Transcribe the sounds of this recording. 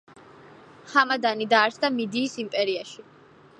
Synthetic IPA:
χamad̪anid̪aːɾsʰd̪amid̪iːsimpʼɛɾiaʃi

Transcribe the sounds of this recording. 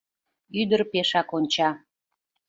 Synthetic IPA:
yd̪ərpeʃɑkonʲt͡ɕɑ

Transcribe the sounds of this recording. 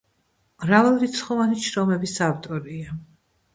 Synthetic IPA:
mɾavalˠɾit̪sʰχɔvaniʃɾɔmɛbisavt̪ʼɔɾia

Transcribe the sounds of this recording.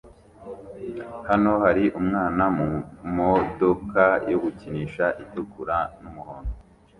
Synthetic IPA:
hano̞haɾiʔumŋaːnamumodokajoɡuciniːʃaʔitukuɾanumuhoːndo

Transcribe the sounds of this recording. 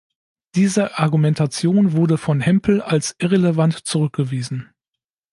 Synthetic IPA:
d̥iːzəʔaɐɡumɛntʰat͡sjoːnvʊɐdəfɔnɦɛmpʰl̩alsʔɪʁeləvantt͡suʁʏk̚ɡ̥əviːzn̩

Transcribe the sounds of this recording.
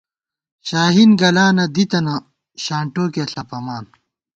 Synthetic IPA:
ɕaːɦinɡɐlaːnɐd̪it̪ɐnɐ | ɕaːɳʈoːkeɐɬɐpɐmaːn

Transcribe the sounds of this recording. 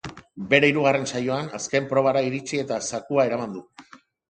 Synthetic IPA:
be̞ɾe̞iɾuɣ̞are̞nsajo̞anaske̞mpɾo̞β̞aɾaiɾit͡ʃie̞t̪asakuae̞ɾamand̪u

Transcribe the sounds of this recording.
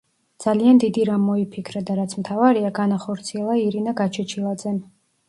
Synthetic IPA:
d̪z̥aliand̪id̪iɾamːɔipʰikʰɾad̪aɾat̪sʰmt̪ʰavaɾiaɡanaχɔɾt̪sʰiɛlˠaiɾinaɡat͡ʃʰɛt͡ʃʰilˠad̪zɛn

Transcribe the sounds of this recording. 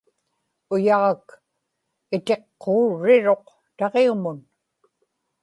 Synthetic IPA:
ʊjɑʁɑk | ɪt̪e̞qːoːɻːɪɻo̞q | t̪ɑʁeumʊn

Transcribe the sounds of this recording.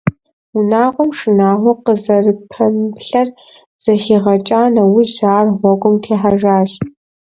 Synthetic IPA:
unaːʁʷɔmʂɨnaːʁʷɔqəzɐrɨpʰɐmɬɐr | z̥ɐxiːʁɐt͡ʃʼaːnɐwʊʒzaːrʁʷɔɡʷʊmtʰeːħaʒaːɕ

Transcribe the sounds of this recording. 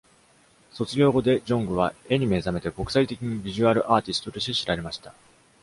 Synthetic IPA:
so̞t͡sɨɡʲo̞ːɡo̞d̪e̞d͡ʑõ̞ŋɡɯ̟β̞ae̞ɲ̟ime̞zame̞t̪e̞ko̞kɯ̥sait̪e̞kʲiɲ̟ibʲiʑɨaɾɯ̟ʔaːt̪ʲisɨ̥t̪o̞t̪o̞ɕi̥t̪eɕiɾaɾe̞maɕi̥t̪a

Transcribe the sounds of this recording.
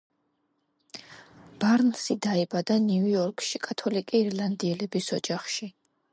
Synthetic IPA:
b̥aɾnsid̪aɛbad̪anujɔɾkʼʃikʼat̪ʰɔlikʼiːɾlˠand̪iɛlɛbisɔd͡ʒaχʃi

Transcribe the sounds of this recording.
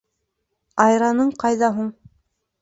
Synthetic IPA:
ɑjɾɑnɤɴqɑjðɑɦuɴ

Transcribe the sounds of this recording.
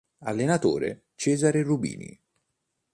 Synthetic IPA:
a̰lːenat̪o̰ːɾḛ | t͡ʃɛːzaɾerubḭːnḭ

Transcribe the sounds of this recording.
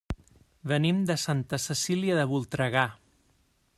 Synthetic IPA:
βənimd̪əsant̪əsəsiliəðəβulˠt̪ɾəɣa

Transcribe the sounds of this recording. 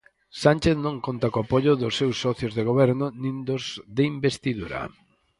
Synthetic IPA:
sant͡ʃeθnõŋkont̪akoapoʎʊðʊsːewsːɔθjozðeɣ̞oβɛɾnʊnĩnd̪ʊzðeimbest̪iðuɾɐ̰

